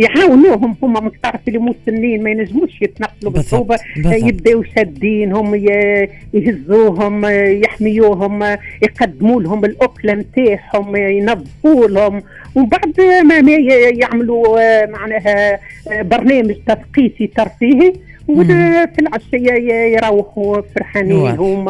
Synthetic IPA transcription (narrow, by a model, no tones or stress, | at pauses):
jʕaːwnuːɦʊmhʊmːæmɪnt̪ɑʕɾˤɑfʔɪlːimusɪnːiːnmæjnæʒːmuːʃjɪt̪nɑqːlubɪsuːbajɪb̚d̪æwjʃæd̪ːiːnɦʊmjjhɪzːuːɦʊmjɪħmɪjuːɦʊmjqɑd̪ːmuːlɦʊmɪlʔʊklamt̪aːħhʊmjnɑðˤːfuːlhʊm | wbaʕd̪mæmæjjɪʕmlumaʕnæːɦæ | bɑɾˤnɛːməʒt̪ɑfqiːt̪it̪ɑɾˤfiːhi | wfilʕaʃɪjajjɾˤɑwːħufʊɾˤħaniːlɦʊm